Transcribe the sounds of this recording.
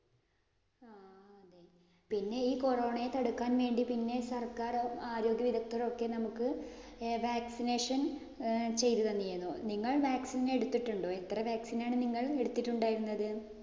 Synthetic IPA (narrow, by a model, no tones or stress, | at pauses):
aɐd̪e | pinːe̞iːko̞ro̞ːɳɐjet̪ɐɽukːaːnʋe̞ːɳɖipinːe̞sɐrkaːraːɾo̞ːɡjɐʋid̪ʱɐk̚t̪ːoɾo̞kːe̞nɐmukːɨʋaːksine̞ːʂɐn | t͡ɕe̞jt̪uðɐnːienːoniŋːɐɭʋaːksinleɽut̪ːiʈːuɳɖo̞ːe̞t̪ːrɐʋaːksinaːɳɨniŋːɐɭe̞ɽut̪ːiʈːuɳɖaːjiɾunːɐðɨ